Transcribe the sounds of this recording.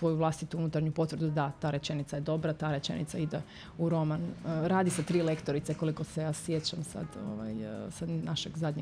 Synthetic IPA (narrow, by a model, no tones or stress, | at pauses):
ʋo̞juʋlˠast̪it̪uunut̪aɾɲupo̞t̪ʋɾ̩d̪ud̪at̪aːɾe̞t͡ʃe̞nit̪saje̞d̪o̞bɾat̪aːɾe̞t͡ʃe̞̰nḭt̪said̪e | uɾo̞manɾaːd̪isat̪ɾiːlekt̪o̞ɾit̪seko̞liko̞sejaːsjet͡ɕamsa̰d̪o̞̰ʋa̰jsad̪naʃeɡzad̪ʲɲe